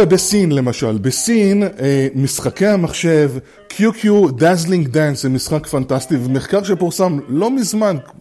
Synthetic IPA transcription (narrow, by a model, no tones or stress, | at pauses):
ebesinle̞maʃalbesinemisχake̞hamaχʃe̞v | kʰjukʰjudazliŋɡdansemisχakfantastivemeχkaʁʃepuʁsamlo̞mizman